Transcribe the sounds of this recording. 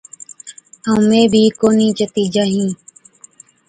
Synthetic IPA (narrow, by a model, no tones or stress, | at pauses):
əũmẽːbʱiːkoːniːt͡ʃət̪iːd͡ʒaːɦĩː